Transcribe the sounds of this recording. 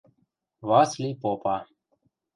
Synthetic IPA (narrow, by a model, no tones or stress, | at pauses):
vaslipɔpa